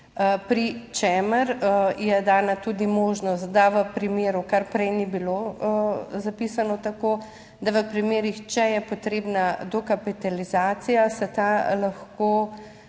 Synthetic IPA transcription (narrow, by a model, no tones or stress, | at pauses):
əpɾit͡ʃɛməɾjɛd̪aːnat̪ud̪imoːʒnɔst̪d̪aʋəpɾimeːɾukaɾpɾɛjnibilo | zapiːsanɔt̪akoː | d̪aʋəpɾimeːɾixt͡ʃɛjɛpot̪ɾeːbnad̪ɔkapit̪alizaːt̪sijasɛt̪alaxko